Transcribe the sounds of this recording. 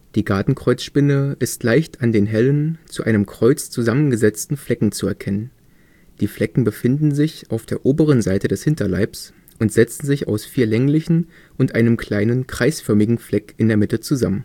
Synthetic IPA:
d̥iːɡaɐtn̩kʁ̥ɔʏt͡sʃpɪnəʔɪstlaɪçtandeːnɦɛlənt͡suʔaɪnəmkʁ̥ɔʏt͡st͡suzamənɡəzɛt͡stn̩flɛkŋ̩t͡suɛɐkʰɛnən | d̥iːflɛkŋ̩bəfɪndn̩zɪçʔaʊfd̥eːɐʔoːbəʁ̞ənzaɪtədɛshɪntɐla̰ɪps | ʔʊntz̥ɛt͡sn̩zɪça̰ʊsfiːɐlɛŋlɪçn̩ | ʔʊntʔaɪnəmkl̥aɪnənkʁ̥aɪsfœɐmɪɡŋ̩flɛkɪndeːɐmɪtət͡suzamən

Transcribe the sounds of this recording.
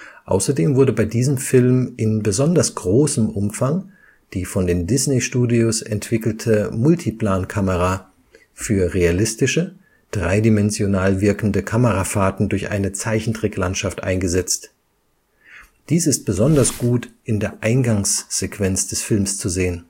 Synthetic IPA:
ʔa̰ʊsɐdeːmvʊɐdəbaɪdiːzəmfɪlmʔɪnbəzɔndɐsɡ̥ʁoːsəmʔʊmfaŋ | d̥iːfɔndeːndɪsneʃtuːdiosɛ̰ntv̥ɪkl̩tʰəmʊltʰipl̥aːnkʰaməʁa | fyːɐʁealɪstɪʃə | d̥ʁaɪdimɛnzjonaːlvɪɐkn̩dəkʰaməʁafaːtn̩dʊɐçʔa̰ɪnət͡saɪçn̩tʁ̥ɛklantʃaftʔa̰ɪnɡəzɛt͡st | d̥iːsɪst̚b̥əzɔndɐsɡ̥uːtʔɪndeːɐʔaɪnɡaŋsz̥ekv̥ɛnt͡sd̥ɛsfɪlmst͡suzeːən

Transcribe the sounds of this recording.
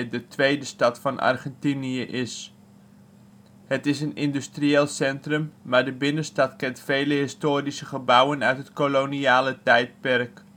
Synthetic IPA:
dətʋejdəstɑtfɑnʔɑ̰rχɛntiniəʔɪs | hətɪsənɪndystrieːlˠsɛntrəmmaːɹdəbɪnənstɑtkɛntfejləɦɪstoːɾisəχəbʌwənœɥtɦətkoloniaːlətɛjt̚pɛrk

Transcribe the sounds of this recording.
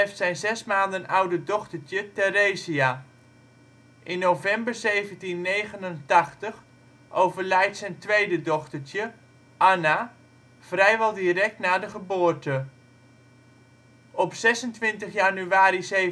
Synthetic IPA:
ɛftsɛjnzɛsmaːndənawdədɔχtəɹtjətɛrejzia | ʔɪnːowvɛmbəɹzejvəntinːejɣənəntɑχtəχ | ʔowvəɹlɛjtsɛjntʋejdədɔχtəɹtjə | ʔana | v̥rɛjʋɛlˠdirɛk̚tnaːdəχəbʊːɹtə | ɔpsɛsəntʋɪntəχjanyaːɾize

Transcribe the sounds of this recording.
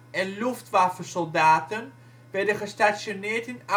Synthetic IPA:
ɛnluftʋafəsɔlˠdaːtən | ʋɛɹdəχəstasjonɪːɹtɪna

